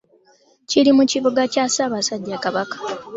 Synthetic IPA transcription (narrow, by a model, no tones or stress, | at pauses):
cilimuciβuɡacasaːβasaɟːakaβakḁ